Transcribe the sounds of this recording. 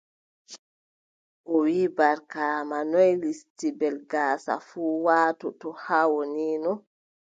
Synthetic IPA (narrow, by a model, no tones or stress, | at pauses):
ʔɔwibaɾkaːmanɔjlistibɛlɡaːsa̰fuːwaːtɔtɔhawoniːnɔ